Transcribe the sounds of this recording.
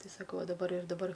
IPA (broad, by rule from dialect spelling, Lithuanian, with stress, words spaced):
ˈtʲɪ sɐˈkɐʊ ɐ dɐˈbɐr ɪr dɐˈbɐr